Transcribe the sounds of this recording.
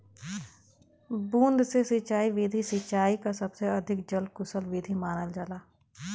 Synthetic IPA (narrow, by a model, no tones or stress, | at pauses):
bũːnd̪sesɪt͡ʃaːiʋeːd̪ʱisɪt͡ʃaːikasɐbseɐd̪ʱɪk̚d͡ʒəlkʊsəlʋeːd̪ʱimaːnəld͡ʒalaː